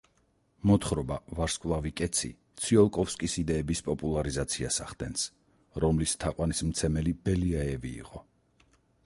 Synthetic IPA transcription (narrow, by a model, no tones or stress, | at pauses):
mɔt̪χɾɔbavaɾskʼvlˠavikʼɛt̪sʰḭt̪sʰiɔlˠkʼɔfskʼisid̪ɛːbispʼɔpʼulˠaɾizat̪sʰiasaχd̪ɛns | ɾɔmlist̪ʰaqʼwanismt̪sʰɛmɛlib̥ɛliaɛvḭːqʼɔ